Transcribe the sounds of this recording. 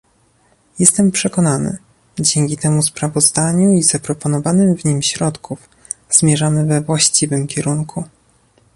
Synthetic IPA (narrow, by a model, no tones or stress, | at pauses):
jɛst̪ɛmpʂɛkɔnanɘ̰ | d͡ʑɛŋkʲit̪ɛmuspɾavɔzd̪aɲuiz̥apɾɔpɔnɔvanɘmvɲimɕɾɔt̪kʰuf | z̥mʲjɛʐamɘvɛvwaɕt͡ɕivɘmkʲɛɾuŋkʰu